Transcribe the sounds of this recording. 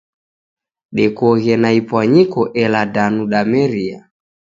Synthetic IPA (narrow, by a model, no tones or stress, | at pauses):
ɗɛkɔɣɛnaipwaɲikɔʔɛladanuɗamɛɾia̰